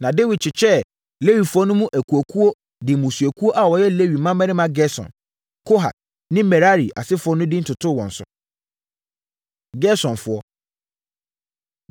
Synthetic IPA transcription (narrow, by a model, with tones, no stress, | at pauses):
nã˨de˦wi˨d̚t͡ɕʰɪ˨t͡ɕʰɛ˦ | le˦ɥi˨fʊ˦ɔ˦nʊ̃˦mũ˦ʔæ˨kʰu˨o˨kʰu˦o˦ | dɪ̃˨mũ˨su˨æ˨kʰu˦o˦ʔa˨wɔ˨jɛ˦le˦ɥi˨mã˦mɛ˦nɪ̃˦mã˦ɡɛ˦sɔ̰̃˨n | kʰo˦ɦa̰˨ | nɪ̃˦mɛ˨ɾa˦ɾi˨ʔa̰˨sɪ˦fʊ˨˦ɔ˦nʊ̃˦dɪ˦n̩˦tʰʊ˨tʰʊ˦˨wɔ̰̃˨n̩˨˦sʊ̰˦ | ɡɛ˦sɔ̃˨nfʊ˨ɔ˦